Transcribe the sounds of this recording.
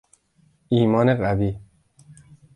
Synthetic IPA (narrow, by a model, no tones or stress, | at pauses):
iːmɒːneɢæviː